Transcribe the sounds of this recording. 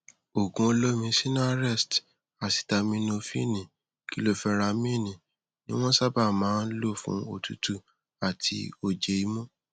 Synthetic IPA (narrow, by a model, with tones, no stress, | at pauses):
o˨ɡũ˧o˧lo˦mĩ˧si˦nã˦a˦˨ɾɛ˦˨st | a˨si̥˨ta˧mĩ˧˦nõ˧fĩ˦˨nĩ˨ | ki˨˦lo˦fɛ˧ɾa˧mĩ˦˨nĩ˨ | nĩ˦w̃ɔ̃˦sa˦ba˦˨mãː˨˦n̩˦lo˦˨fṵ̃˦o˨tu˨˦tu˦ | a˨tʰi˧o˦˨d͡ʒe˨i˧˦mũ˦